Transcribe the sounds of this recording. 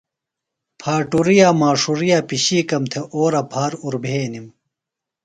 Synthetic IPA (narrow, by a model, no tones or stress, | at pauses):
pʰaːʈuɾijaːmaːʂuɾijaːpiɕiːkɐmt̪ʰeʔoːɾɐpʰaːɾuɾbʱeːnim